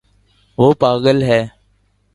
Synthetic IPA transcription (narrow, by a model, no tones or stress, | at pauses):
ʋoːpaːɠəlɦɛː